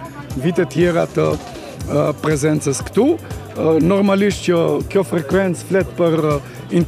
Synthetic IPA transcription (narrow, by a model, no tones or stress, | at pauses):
vit̪ɛt̪jɛɾat̪ə | pɾɛzɛnt͡səskt̪u | nɔɾmaliʃt̪cəkjɔfɾɛkwɛnt̪t͡sflɛt̪pəɾ | int̪